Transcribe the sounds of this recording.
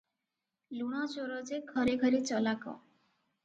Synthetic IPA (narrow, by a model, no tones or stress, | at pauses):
luɽ̃at͡ʃoɾɔd͡ʒeɡʱəɾeɡʱəɾit͡ʃəlakɔ̰̃